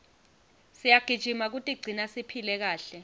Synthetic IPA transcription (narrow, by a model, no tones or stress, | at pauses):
sijaɡ̥ʱid̥ʒ̥ʱimak̬utʼiɡ͡ǀʱinasipʰilɛk̬aːɬɛ